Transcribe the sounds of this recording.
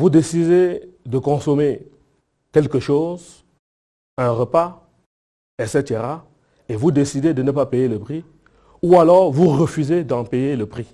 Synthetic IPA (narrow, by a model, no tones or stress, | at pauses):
vud̪esid̪ed̪əkɔ̃sɔme | kʲɛlkəʃoːz | ɛ̃ʁəpa | ɛset̪eʁa | evud̪esid̪ed̪ənəpapejeləpχi | ualɔʁvuʁəfyzed̪ɑ̃pejeləpχi